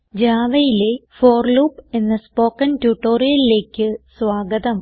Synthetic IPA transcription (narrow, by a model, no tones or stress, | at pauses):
d͡ʑaːʋɐjile̞foːrluːpe̞nːɐspo̞ːkːɐntjuʈːo̞ːɾijɐlile̞ːkʲːɨsʋaːɡɐðɐm